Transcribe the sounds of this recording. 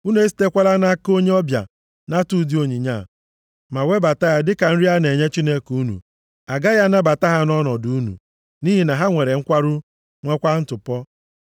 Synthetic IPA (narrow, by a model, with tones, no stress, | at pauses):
u˦n˦e˦si̥˨˦te˦kʷa˦la˦na˦ko˦ɲe˦ɔ˦bja̰˨ | na˦tu˨˦di˦o˨ɲi˨ɲa˦˨ | ma˨we˦ba˨ta˦ja˦dɪ˦ka˨n̩˦ɾi˦a˦ne˨ɲe˦t͡ʃi˦ne˦ku˦nṵ˨ | a˨ɡa˦ja˦na˦ba˨ta˦ɦa˦nɔ˦nɔ˨du˨˦nṵ˨ | ni˦ɦi˨na˨ɦa˦ŋʷe˨ɾe˨ŋ̩˦kʷa˦ɾʊ˦ | ŋʷe˦kʷa˦n̩˦tʊ˨pɔ˦